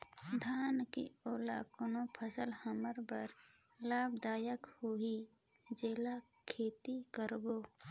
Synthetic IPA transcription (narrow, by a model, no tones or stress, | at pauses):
d̪ʱaːnkḭoːla̰konopʰəsəlhəməɾbə̰ɾ | laːbd̪aːjəkhui | d͡ʒeːla | kʰeːt̪ikəɾboː